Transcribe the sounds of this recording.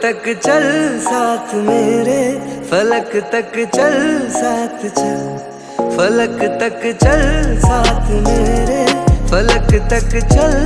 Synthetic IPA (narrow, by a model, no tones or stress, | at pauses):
t̪ɐkt͡ʃɐlsaːt̪ʰmeːɾefʰɐləkt̪ɐkt͡ʃɐlsaːt̪ʰt͡ʃɐl | fʰɐləkt̪ɐkt͡ʃɐlsaːt̪ʰmeːɾefʰɐləkt̪ɐkt͡ʃɐl